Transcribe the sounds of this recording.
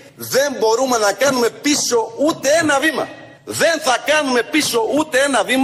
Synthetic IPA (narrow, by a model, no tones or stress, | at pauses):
ðɛmbɔɾumanakanumɛpiʃɔut̪ɛːnaβima̰ | ðɛnθakanumɛpiʃɔut̪ɛɛnaβim